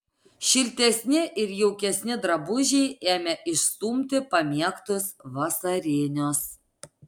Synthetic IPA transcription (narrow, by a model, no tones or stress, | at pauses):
ʃʲɪlʲt̪ʲɛsʲnʲɪʔɪɾjɛʊkʲɛsʲnʲɪd̪ɾɐbʊʒʲɛɪʔeːmʲɛʔɪʃst̪uːmʲt̪ʲɪpɐmʲiɛkt̪ʊsʋɐsɐɾʲeːnʲoːs